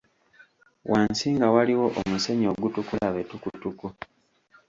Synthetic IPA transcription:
wʔaːnsiːŋɡawaliwo̞ʔomuse̞ɲo̞ɡutukulaβetukutuku

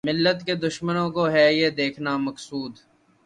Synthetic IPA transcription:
mɪlːət̪ked̪ʊʃmənõkoɦɛːjed̪eːkʰnamɐksuːd̪

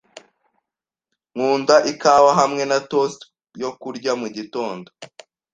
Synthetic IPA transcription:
ŋuːndaʔikawaɦamŋe̞natost | jokuɾɟamuɟito̞ːndo

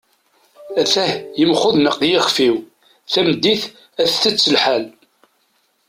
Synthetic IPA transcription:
æθæhjəmχʊðnəqːjɪχfiw | θæmd̪ːiθ | æθθət͡sːəlħal

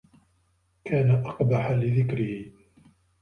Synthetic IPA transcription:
kaːnaʔɑqbaħalɪðɪkɾɪhɪ

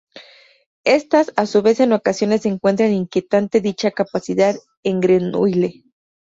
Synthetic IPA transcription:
e̞st̪asasuβe̞se̞no̞kasjo̞ne̞sːeŋkwe̞nt̪̬ɾaniŋkje̞t̪ant̪e̞ðit͡ʃakapasiðað | e̞ŋɡɾenṵjle̞

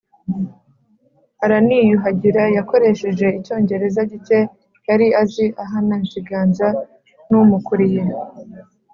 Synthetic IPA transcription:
aɾanijuɦaɟiɾajako̞ɾe̞ʃe̞ʒe̞ico̞ːɲɟe̞ɾe̞zaɟice̞ | kaɾiaziʔaɦanant͡ʃiɡaːnza | numukuɾije

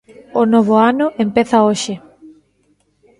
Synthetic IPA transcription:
ʊnoβ̞ʊanʊʔempeθɐoʃɪ

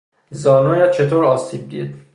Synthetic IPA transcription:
zɒːnoːjæt̪̚t͡ʃʰet̪ʰoːɾɒːsiːb̚d̪ḭːd̪̥

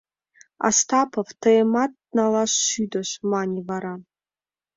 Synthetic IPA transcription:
a̰stʰapʰɐvtʰɐematː | nalaɕːydɐɕmanʲivaɾa

